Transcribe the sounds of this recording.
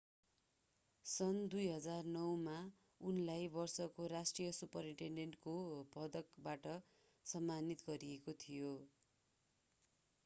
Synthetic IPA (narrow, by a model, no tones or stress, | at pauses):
sʌnd̪ujɦʌd͡zarnʌwma | unlajbʌrsʌkoɾasʈrijʌsupʌɾiʈeɳɖeɳʈkobʱʌd̪ʌkbaʈʌ | sʌmːanit̪ɡʌɾiekot̪ʰijo